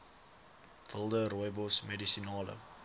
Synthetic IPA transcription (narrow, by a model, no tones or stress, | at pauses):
vəlˠdəɾɔjbɔsmɛdisinɑːlə̰